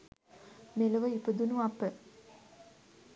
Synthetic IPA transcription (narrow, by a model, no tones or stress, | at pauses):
melɐʋəipəd̪unuapːə